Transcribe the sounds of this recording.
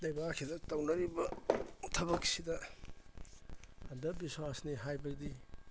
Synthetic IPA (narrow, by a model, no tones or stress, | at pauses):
dɐjbakʰidɐtɐwnɐɾibɐtʰɐbɐksidɐ | ɐndɐbiswasniɦajbɐɡ̚di